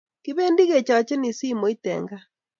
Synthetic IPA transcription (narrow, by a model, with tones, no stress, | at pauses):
kiβe˦ndi˦ɣe˨t͡ʃa˨ɔ˨t͡ʃɛ˦ni˨si˦mo˨˦i˦tɛ̰ŋɡa˦